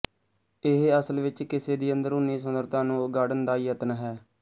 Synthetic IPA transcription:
ɪɦəsəlʋɪt͡ʃkɪseːd̪iːənd̪əɾʊnːĩːsənd̪əɾt̪ãːnũːɡaːɽənd̪aːiːət̪nɦɛː

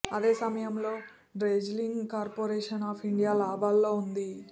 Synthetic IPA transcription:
ɐd̪e̞ːsɐmɐjɐmlo̞ː | ɖɾeːd͡ʒliŋɡkaːɾpoːɾeːʂɐnaːpʰiɳɖijaːlaːbaːlːo̞ːund̪i

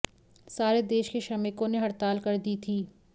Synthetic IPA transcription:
saːɾed̪eːʃkeʃɐmɪkõneɦɐɾt̪aːlkɐɾd̪iːt̪ʰiː

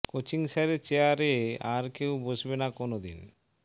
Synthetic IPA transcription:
kot͡ɕiŋsaɾet͡ɕeaɾeaɾkewbod͡ʑbenakonod̪ḭn

